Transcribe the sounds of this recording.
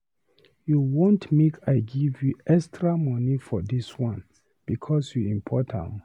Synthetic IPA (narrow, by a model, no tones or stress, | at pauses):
juwõntmekʰaɪɡivjuɛkstʰɹamɔnifɔdiswãn | b̥ikʰɔsjuĩmpʰɔtʰã̰m